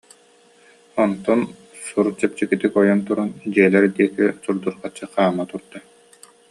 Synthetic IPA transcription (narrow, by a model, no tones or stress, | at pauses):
ɔnt̪ɔn | suɾut͡ɕɛp̚t͡ɕikit̪ikɔjɔnt̪uɾund͡ʑiɛlɛɾd̪iɛkisuɾd̪uɾqat͡ɕːɯχaːmːat̪uɾd̪a